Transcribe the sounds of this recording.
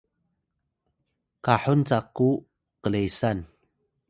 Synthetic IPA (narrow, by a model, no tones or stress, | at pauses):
kaħunt͡sakːu | qəlejsan